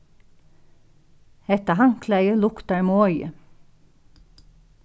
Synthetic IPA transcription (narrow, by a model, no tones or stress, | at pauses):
ɛt̪əɦɑŋkʰlæɪəlʊkt̪ɑɹmoɔʏə